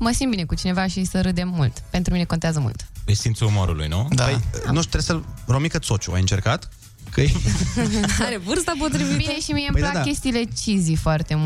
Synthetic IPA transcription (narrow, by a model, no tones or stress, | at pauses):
məsimbine̞kut͡ʃine̞vaʃisəɾɨd̪emːult̪pe̞nt̪ɾumine̞ko̞nt̪eazəmṵlt̪est̪int̪suumo̰ɾṵlṵjnud̪apəjnoʃt̪ɾesəɾomikət̪sot͡ʃua̰jɨnt͡ʃerkat̪ | kʰɨj | aɾevɨrst̪apot̪ɾivibineʃimiempəjplak̪kʲe̞st̪iːle̞t͡ʃizijfoart̪e̞m